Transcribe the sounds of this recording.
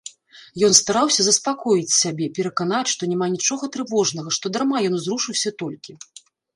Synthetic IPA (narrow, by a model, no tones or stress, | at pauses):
jɔnst̪aɾawsʲɐzɐspakɔjit͡sʲsʲabʲɛpʲɛɾɐkanat͡sʲʂt̪ɔnʲɛmanʲit͡ʂɔɣɐt̪ɾɨvɔʐnɐɣɐʂt̪ɔd̪aɾmajɔnzɾuʂɨwsʲɐt̪ɔlʲkʲi